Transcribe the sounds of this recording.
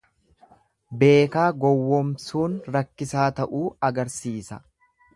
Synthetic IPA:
be̞ːkaːɡɔwːɔmsuːnɾɐkːɪsaːt̪ɐʔuːɐɡɐɾsiːsɐ̥̰

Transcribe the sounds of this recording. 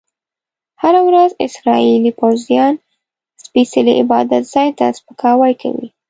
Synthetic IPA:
haɾawɾazɪ̰sɾɑilipawzjɑn | spisəliʔɪbɑd̪at̪z̥ɑjt̪a̰spəkʰɑwajkʰa̰wḭ

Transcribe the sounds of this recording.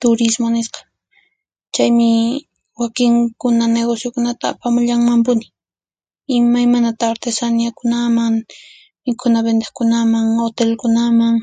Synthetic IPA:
t̪ʊɾɪsmonɪsqɑ̥ | t͡ʃajmɪ | wakɪŋkʊnaneɣosjokʊnat̪a̰ːpamʊʎaŋmampʊnɪ̥ | ɪmajmanat̪aɾt̪esanjakʊnamaŋ | mɪkʰʊnabend̪akʊnamaŋot̪elkʊnamaŋ

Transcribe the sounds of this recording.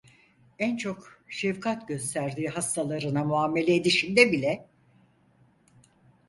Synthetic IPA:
ænt͡ʃʰo̞kʃɛvkʰat̪ɟø̞st̪ʰæɾd̪iːɦast̪ʰalˠaɾɯnamuaːmːe̞lʲeːd̪iʃind̪ɛbilʲɛ

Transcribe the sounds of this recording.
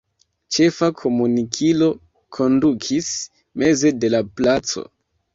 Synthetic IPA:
t͡ʃe̞fakʰo̞munikʰilo̞ | kʰo̞ndukʰis | me̞ze̞de̞laplat͡so̞̰

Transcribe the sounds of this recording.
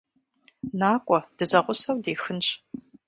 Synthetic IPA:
naːkʷʼɔd̥ɨzɐʁʷʊsɐwdeːxɨnɕ

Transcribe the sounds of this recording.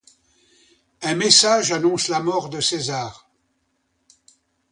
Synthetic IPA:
ɛ̃mɛsaʒanɔ̃slamɔʁd̪əsezaːʁ

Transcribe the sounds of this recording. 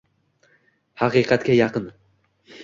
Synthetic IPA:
hɑqiːqʰɑt̪kʲɛjɑqɨn

